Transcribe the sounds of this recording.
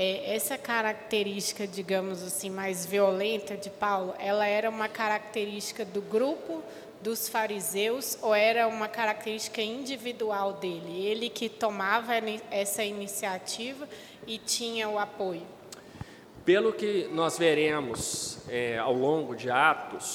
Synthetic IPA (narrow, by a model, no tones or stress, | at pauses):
ɛʔɛsɐkaɾak̚t̪eɾist͡ʃi̥kɐd͡ʒiɡɐ̃mʊzasĩmajzviolẽnt̪ɐd͡ʒɪpawlʊʔɛlɐɛɾɐũmɐkaɾak̚t̪eɾist͡ʃi̥kɐd̪ʊɡɾupʊ | d̪ʊsfaɾizewsoɛɾɐũmɐkaɾak̚t̪eɾist͡ʃi̥kɐĩd͡ʒivid̪uawd̪elɪelɪkɪt̪omavɐɛsɐinisiat͡ʃivɐ | ɪt͡ʃĩɲɐʊapojʊ | pelʊkɪnɔzveɾẽmʊsɛa̰wlõɡʊd͡ʒɪat̪ʊs